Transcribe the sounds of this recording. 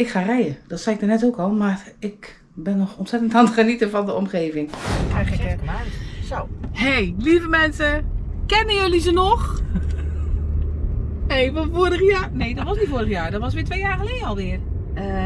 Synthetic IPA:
ɪkχaːrɛjəd̥ɔtsajɪk̚dərnɛtoːkɔlˠmarɪk | bɪnːɔxɔntsɛtəntantχənitəfɔndəɔmχeːvɪŋkɛjxəkmaːsowhejlivəmɛnsəkɛnəjølizənɔx | hejvɔnfoːərəxjaːnejdɔtʋɔsnitfoːɾəxjaːɹdɔtʋɔsʋɪːtʋejaːxəlejdəɔlˠʋɪər | ə

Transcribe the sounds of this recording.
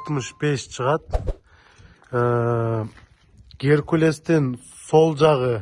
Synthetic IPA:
t̪məʃb̥e̞ʃʃəʁɑt̪ | ɡ̥ʲeɾkʰʲule̞st̪en | so̞lˠʒɑʁə

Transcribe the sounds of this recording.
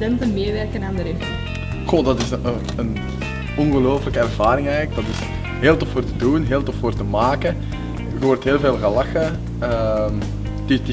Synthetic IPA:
ɛntənmeːʋɛrkənaːndəɾɪx | xolˠdɑtɪs | ən | ɔnɣəloːfələkəɛrvaːɾɪŋɛjɣələk̚dɑtɪs | ɦeːlˠtɔffoːrtədunɦeːlˠtɔffoːrtəmaːkə | ɣəʋɔrtɦeːlˠveːlˠɣəlɑxə | əm | didi

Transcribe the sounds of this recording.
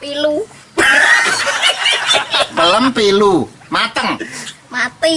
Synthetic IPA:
pilu | mələmpilu | mat̪əŋmat̪i

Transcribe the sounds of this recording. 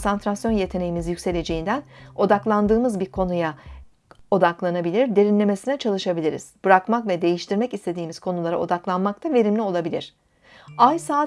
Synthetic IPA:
sant̪ʰɾasjo̞nje̞t̪ʰe̞ne̞jimizjycʲse̞lʲe̞d͡ʒe̞jind̪æno̞d̪aklˠand̪ɯːmɯzbiɾkʰo̞nuja | o̞d̪aklˠanabilʲiɾd̪e̞ɾinlʲe̞me̞sinɛt͡ʃʰalˠɯʃabilʲiɾḭz̥b̥ɯɾakmakvɛd̪e̞jiʃt̪ʰiɾmɛcist̪ʰe̞d̪iːmiz̥kʰo̞nulˠaɾao̞d̪aklˠanmak̚t̪ʰave̞ɾimlʲio̞lˠabilʲḭɾ̝̥ | ajsaː

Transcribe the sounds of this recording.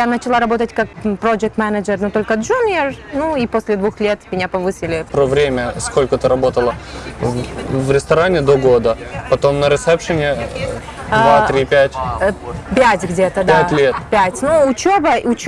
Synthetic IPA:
janət͡ɕɪlˠaɾɐbo̞t̪ətʲkak̚pɾod͡ʒɪk̚t̪mɛnəd͡ʒərnot̪o̞lʲkəʐunʲernuiposʲlʲɪd̪vuxlʲet̪mʲɪnʲapɐvɨsʲɪlʲɪpɾovɾʲemʲəsko̞lʲkət̪ɨɾɐbo̞t̪əlˠə | vɾʲɪst̪ɐɾanʲɪd̪oɡo̞d̪əpɐt̪o̞mnəɾʲɪt̪sɛpʂənʲɪ | davaɾʲipʲætʲ | pʲætʲɡdʲet̪əd̪ætʲlʲet̪pʲætʲnuʊt͡ɕobəʊt͡ɕ

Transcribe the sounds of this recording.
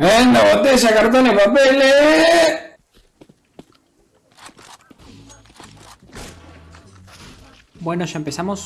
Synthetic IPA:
enoot̪eʃakaɾt̪̬onehpapele | bwenoʃaempesamos

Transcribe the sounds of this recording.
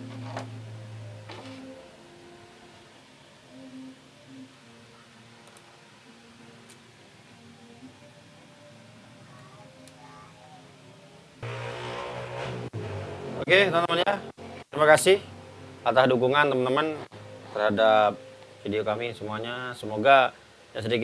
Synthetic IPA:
oket̪əmənt̪əmənjatt̪əɾimakasɪhat̪asdukuŋant̪əmənt̪əmənt̪ərhadap̚fideokamisəmuaɲasəmoɡa | jaŋsədik

